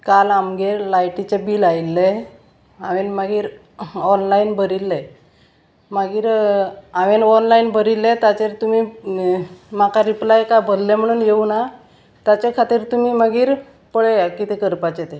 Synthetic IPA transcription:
kalamɡeɾlajʈit͡ɕebiːlajlːe | aʋenməɡiːɾ | ɔnlainbʱəɾilːe | maɡiːɾaʋenɔnlainbəɾilːet̪jat͡ɕeɾt̪um̤i | makaɾiplajkajbʱəd̪lem̤əɽ̃uːnjeuna | t̪jat͡ɕekʰat̪iːɾt̪um̤iːməɡiːɾ | pəɭejakit̪ekəɾpat͡ɕet̪e

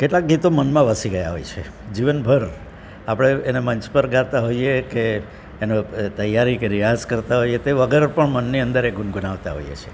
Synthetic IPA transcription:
keʈlak̚ɡit̪omənmãʋəsiɡəjaɦo̰jt͡ʃʰe | d͡ʒiʋənbʱəɾ | apɽ̃eːneməɲt͡ʃpəɾɡat̪aɦoiekeː | nõt̪əjːaɾikeɾijaskəɾt̪aɦojet̪eʋəɡəɾpəɳmənːiə̃nd̪əɾeɡunɡunaʋt̪aɦo̰ijḛt͡ʃʰe

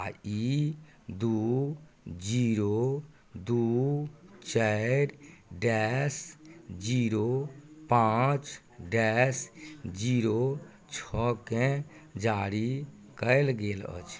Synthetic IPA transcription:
ai | d̪u | d͡ʒiɾo | d̪u | t͡ʃəɾɖɛsd͡ʒiɾopãt͡ʃ | ɖɛsd͡ʒiɾo | t͡ʃʰɔkẽd͡ʒaɾi | kəɪlɡelə̰t͡ʃʰ

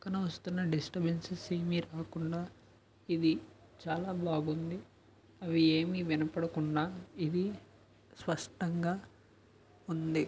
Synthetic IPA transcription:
kːɐnɐʋɐst̪unːɐɖisʈɐbensɐseːmiɾaːkuɳɖaː | id̪i | t͡ʃaːlaːbaːɡund̪i | ɐʋieːmiʋinɐpɐɽɐkuɳɖaːid̪i | spɐʂʈɐŋɡaː | und̪i

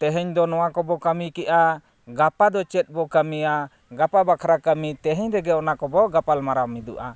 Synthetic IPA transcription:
t̪ɛɦɛɲd̪ɔnɔwakɔbɔkamikɛʔa | ɡapad̪ɔt͡ʃɛt̪̚ˀbɔkamija | ɡapabakʰɾakamit̪ɛɦɛɲɾɛɡɛɔnakɔbɔɡapalmaɾawmid̪uʔa

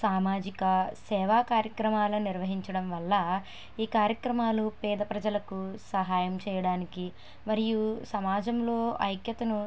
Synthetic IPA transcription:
saːmaːd͡ʒikɐsɛːʋaːkaːɾjɐkɾɐmaːlɐniɾʋɐɦiɲt͡ʃɐɽɐmʋɐlːɐ | iːkaːɾjɐkɾɐmaːlupɛːd̪ɐpɾɐd͡ʒɐlɐkusɐɦaːjɐmt͡ʃɛːjɐɽaːniki | mɐɾijusɐmaːd͡ʒɐmlo̞ːɐ̰jkjɐt̪ɐnu

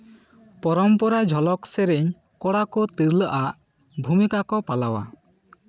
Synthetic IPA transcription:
pɔɾɔmpɔɾad͡ʒʱɔlɔksɛɾeɲ | kɔɽakɔt̪iɾləʔaʔ | bʱumikakɔpalawa̰

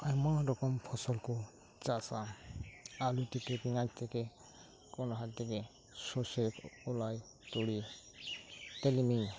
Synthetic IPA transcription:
ajmãɾɔkɔmpʰɔsɔlkɔ | t͡ʃasa | alut̪ɛkepiŋat͡ʃt̪ɛke | kɔnɔɦat̪t̪ɛke | sɔsekɔlaj | t̪ɔɽi | t̪ɛlimiŋ

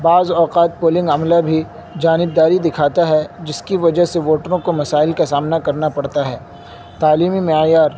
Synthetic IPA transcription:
baːzɔːqaːt̪̚poːlɪ̃ŋɡɐmlabʱi | d͡ʒaːnɪb̚d̪aːɾid̪ɪkʰaːt̪aɦɛd͡ʒɪskiʋɐd͡ʒəɦseʋoːʈɾõkomɐsaːɪlkasaːmnakɐɾnapɐɽt̪aɦɛː | t̪aːliːmimejaːɾ

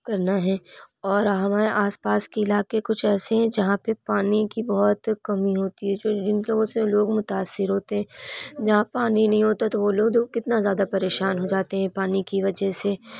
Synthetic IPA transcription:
kɐɾnaɦɛːɔːɾɦɐmaːɾeʔaːspaːskeɪlaːkekʊt͡ʃʰɛːseɦɛ̃d͡ʒɐɦãpepaːnikibɐɦɔt̪kɐmiɦoːt̪iɦɛd͡ʒoːd͡ʒɪnloːɡõseloːɡmʊt̪aːsːɪɾɦoːt̪eɦɛ̃ːd͡ʒɐɦãpaːninɐɦĩɦoːt̪at̪oʋoloːɡd̪oːɡkɪt̪nazjaːd̪apɐɾeːʃaːnɦod͡ʒaːt̪eɦɛ̃paːnikiʋɐd͡ʒɛse

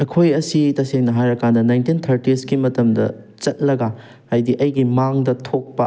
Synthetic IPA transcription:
ɐkʰojɐsitɐseŋnɐɦajɾɐkʰandɐnajntint̪ʰɐɾtiskimɐtɐmdɐ̰ | t͡ʃɐt̚lɐɡɐ | ajdiʔɐjɡimaŋdɐtʰok̚pɐ̰

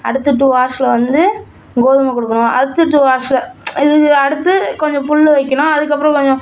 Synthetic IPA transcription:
ɐ̰ɽɯt̪ːɯʈ̬ːɯʋaːɾʂɐlɐʋɐnd̪ɯ | ɡoːðɯmɐkʊɽɯkːɐɳʊ̃ɐ̰ɽɯt̪ːɯʈːɯʋaːɾʂlɐɪðɯɐɽɯt̪ːɯkɔɲd͡ʒɔ̃pʊɭːɯʋɐɪkʲːɐɳʊ̃ɐðɯkːɐpːɾɐ̃kɔɲd͡ʒɔ̃

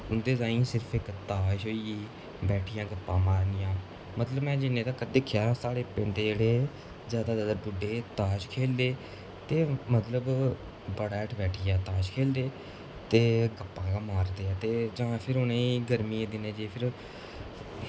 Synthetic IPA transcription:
ʊnd̪eːzaːĩːsɪɾəpʰɪkt̪aːʃoːiiː | bɛːʈʰɪjãːɡəpːãːmaːɾnɪjãː | mət̪ləbmɛ̃ːd͡ʒɪnːẽːt̪ãːkəd̪ekʰːjaːsaːɽeːpɛ̃nd̪eːd͡ʒeːɽeː | zjaːd̪aːd̪ad̪əɾbʊɖeːt̪aːʃkʰeːlːeː | t̪eːmət̪ləb | bəɽaɛʈʰbɛːʈʰijaːt̪aːʃkʰeːld̪eː | t̪eːɡəpːãːkaːmaːɾd̪eːaːt̪eːd͡ʒãːpʰɪɾoːnẽːɡəɾmiːẽːd̪ɪnẽːd͡ʒeːpʰɪɾ

